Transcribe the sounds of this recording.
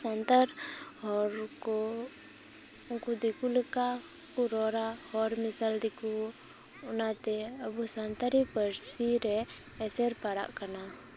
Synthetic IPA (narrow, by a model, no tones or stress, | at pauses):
sant̪aɾhɔɾkɔ | ukud̪ikulɛka | kuɾɔɾahɔɾmisald̪iku | ɔnat̪ɛəbusant̪aɾipəɾsiɾɛː | sɛɾpaɽa̰ʔkana